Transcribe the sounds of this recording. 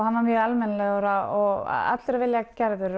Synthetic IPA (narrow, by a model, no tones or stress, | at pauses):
hanvaɾmjœðalmɛnalɛɣɔɾaɔɣ̰a̰t̪lʏɾavɪljacɛɾðʏɾ